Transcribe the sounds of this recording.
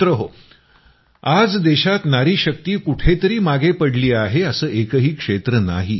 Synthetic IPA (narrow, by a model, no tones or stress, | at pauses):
ɾəɦo | ad͡zd̪eɕat̪naɾiːɕək̚t̪iːkuʈʰet̪əɾiːmaɡepəɽliːaɦeəsəːʔekəɦiːkʂet̪ɾəna̰ɦi